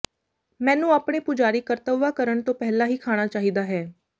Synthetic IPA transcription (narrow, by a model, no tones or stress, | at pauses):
mɛ̃ːnũːaːpɽeːpʊd͡ʒaːɾiːkəɾt̪əʋːaːkəɾəɳt̪õːpɛɦlaːɦiːkʰaːɽ̃aːt͡ʃaːɦiːd̪aːɦɛː